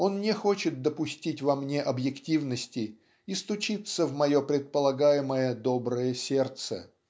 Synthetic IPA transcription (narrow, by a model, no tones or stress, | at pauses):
o̞nnʲɪxo̞t͡ɕɪt̪̚d̪əpʊsʲtʲitʲvɐmnʲe̞ʔɐbjɪktʲivnəsʲtʲɪ | ist̪ʊt͡ɕit̪səvmɐjo̞pɾʲɪt̪̚pəlˠɐɡajɪməjəd̪o̞bɾəjəsʲe̞rt̪sə̰